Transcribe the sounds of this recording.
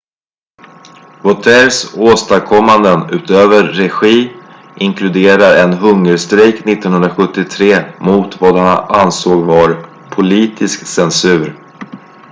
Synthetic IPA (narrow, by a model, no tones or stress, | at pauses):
vɔt̪ʰɛɾsoːst̪akʰɔmːand̪ənʉ̟ːt̪øːvəɾːɛɧiː | ʔɪŋkʰlɵd̪eːɾaɾɛnɦɵŋːəɾst̪ɾɛjknɪt̪ːɔnhɵnɾaɧɵt̪ːɪt̪ʰɾeːmʊt̪vad̪hanansoːɡvaɾ | pʰʊliːt̪ʰɪsksɛnsʉ̟ːɾ